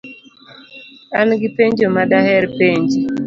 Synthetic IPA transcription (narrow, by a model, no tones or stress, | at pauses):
anɡipeɲd͡ʒomadahɛɾpeɲd͡ʒ